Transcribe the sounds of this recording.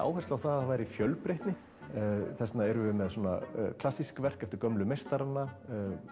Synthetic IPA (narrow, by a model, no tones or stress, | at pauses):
a̰ːwɦɛsawθaðaavaːjɾɪifjœlpɾejht̪nɪ | θɛsnaɛɾʏvʏmɛðswɔːna̰kʰl̥asːiskvɛr̥kɛft̪ɪʏɾkœmlʏmejst̪aɾanːa